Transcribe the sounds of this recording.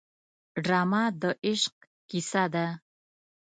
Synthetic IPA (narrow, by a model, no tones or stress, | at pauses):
ɖramad̪ɔʔiʃq̚ | ɡ̥isad̪a